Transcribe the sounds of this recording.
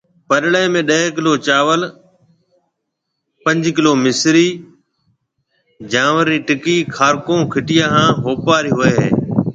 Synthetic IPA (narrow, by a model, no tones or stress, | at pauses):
pəɗɽeːmẽːɗəekɪloːt͡ʃaːʋəl | pə̃ɲd͡ʒkɪloːmɪsɾiː | d͡ʒãːʋəɾniːʈɪkiːkʰaːɾkõːkʰɪʈɪjãːɦãːɦoːpaːɾiːɦʊeːɦḛː